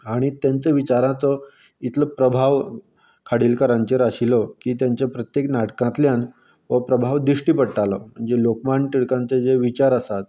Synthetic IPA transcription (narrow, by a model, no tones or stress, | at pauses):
aɽ̃it̪jant͡seʋit͡ɕaɾãt͡sɔ | it̪ləpɾəbʱaʋ | kʰaɽilkəɾãɲt͡ɕeɾaɕilɔkiːt̪jaɲt͡ɕjapɾət̪jeknaʈkãt̪ljan | ʋəpɾəbʱaʋd̪ɾiʂʈiːpəɽʈalɔm̤əɳd͡zelokmaɳʈiɽkãnt͡sed͡zeʋit͡ɕaɾəsat̪